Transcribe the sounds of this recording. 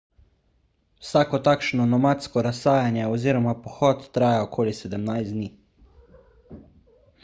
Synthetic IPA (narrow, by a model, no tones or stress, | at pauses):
wsaːkɔt̪aːkʃnɔnɔmat̪skɔɾasːaːjanjɛɔziːɾɔmapɔxɔt̪ːɾaːjaɔkʰoːlisɛd̪əmnajzd̪niː